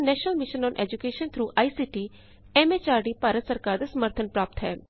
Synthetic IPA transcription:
nɛːʃnəlmɪʃənɔ̃ːnʔɛ̰ːd͡ʒukeːʃənt̪ʰɾuːʔaːiːsiːʈiː | ɛːmet͡ʃaːɾɖiːpaːɾət̪səɾkaːɾd̪eːsəməɾt̪ʰənpɾaːp̚t̪ɦɛː

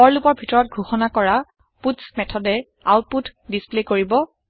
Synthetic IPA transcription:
ɔɹlupɔɹbʱitɔɹɔt̚ɡʱuxɔnakɔɹa | putsmɛtʰɔdɛ | a̰wt̚putdisplekoɹibɔ

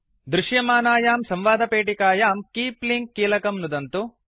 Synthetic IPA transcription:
d̪ɾuʃjɐmaːnaːjaːmsɐmʋaːd̪ɐpeːʈikaːjaːmkiːpliŋkːiːlɐkɐmnud̪ɐnt̪u

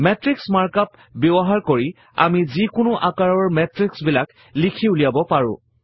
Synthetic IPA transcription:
mɛtɹiksmaɹkap̚ | bɔbɔɦaɹkoɹi | a̰mizikʊnʊʔakaɹɔɹmɛtɹiksbilak | likʰiulijabɔpaɹʊ̰̃

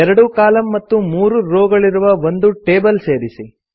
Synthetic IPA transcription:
ɛɾɐɽukaːlɐmːɐt̪ːumuːɾuɾoːɡɐɭiɾuʋɐʋo̞nd̪uʈeːbɐlse̞ːɾisi

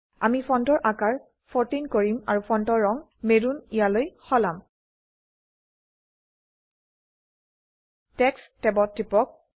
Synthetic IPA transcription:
a̰mipʰɔntɔɹʔakaɹ | pʰɔɹtinkoɹimaɹupʰɔntɔɹːɔŋ | medunijalojxɔlam | tɛkstɛbɔtɹipɔk̚

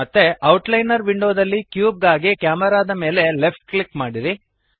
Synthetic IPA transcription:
ɐt̪ːe̞ɐwʈlɐjnɐɾʋiɳɖoːd̪ɐlːikjuːb̚ɡaːɡikjaːmɛɾaːd̪ɐme̞ːle̞lepʰʈklikmaːɽiɾi

